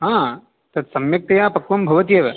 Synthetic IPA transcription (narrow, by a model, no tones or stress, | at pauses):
ɦãː | t̪ɐt̪sɐmjɐk̚t̪ɐjaːpɐkʋɐmbʱɐʋɐt̪ijɐʋɐ